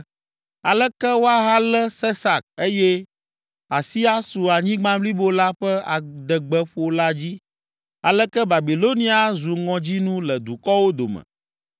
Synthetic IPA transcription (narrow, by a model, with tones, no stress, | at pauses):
a˨lɛ˦kɛ˦wo˦a˦ɦa˦lɛ˦sɛ˦sa˨k̚e˦jɛ˦ | a˨si˦a˦su˨a˨ɲĩ˦ɡ͡bã˦bli˦bo˦la˦ɸɛ˦a˨d̪ɛ˨ɡ͡bɛ˦ɸo˨la˦d͡ʑi˦ | a˨lɛ˦kɛ˦ba˨bi˨lo˦nĩ˦a˨zu˨ŋɔ̃˨d͡ʑi˦nũ˦lɛ˨d̪u˨kɔ˦wo˦d̪o̰˨mɛ̰̃˨